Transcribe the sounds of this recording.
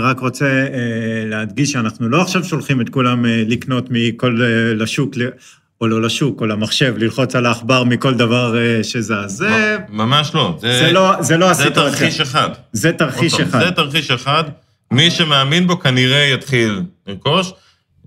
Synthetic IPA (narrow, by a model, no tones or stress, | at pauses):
ʁakʁo̞t͡se | lead̪ɡiʃeanaχnulo̞aχʃavʃo̞lχimet̪̚kulamlikno̞t̪mikolːaʃukle | ololaʃukolamaχʃe̞vlilχo̞t͡salaːχbaʁmiko̞ld̪avaʁʃezeazemamaʃlozezelozelo̞aset̪aʁχiiʃeχad̪zet̪aʁχiʃeχazet̪aʁχiʃeχad̪ | miʃemeaminbo̞kaniʁe̞jat̪χiliko̞ʃ